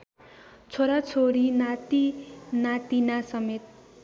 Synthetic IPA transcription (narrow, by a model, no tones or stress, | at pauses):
t͡sʰoɾat͡sʰoɾinat̪inat̪inasʌmet̪̚